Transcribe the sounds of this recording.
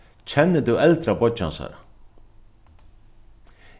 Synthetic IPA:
t͡ɕʰɛnːət̪uɛlt̪ɾabɔt͡ɕːa̰nsa̰ɾ

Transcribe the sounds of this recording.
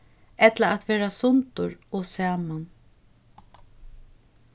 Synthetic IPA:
ɛt̪laat̪ʋeːɾasʊnt̪ʊɾɔsaːman

